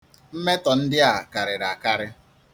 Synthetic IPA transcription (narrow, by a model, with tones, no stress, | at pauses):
m̩˦me˦tɔ˨n̩˦dɪ˦a˨ka˨ɾɪ˨ɾa˨ka˦ɾɪ˦